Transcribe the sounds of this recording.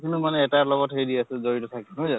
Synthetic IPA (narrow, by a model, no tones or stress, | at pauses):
kʰinumanɛːtaɹlɔɡɔtɦejdiasɛzoɹitɔtʰakiɦojza